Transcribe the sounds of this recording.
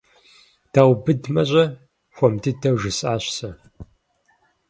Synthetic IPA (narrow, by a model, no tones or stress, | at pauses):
d̥aːwbɨdmɐɕʷʼɐ | xʷɔmdidɐwʒɨsʼaːɕʷsɐ